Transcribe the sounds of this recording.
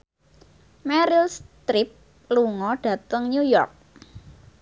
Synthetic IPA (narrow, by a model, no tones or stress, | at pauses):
mɛɾɪlst̪ɾɪp̚ | luŋɔɖ̥ä̤t̪əŋɲujɔrk̚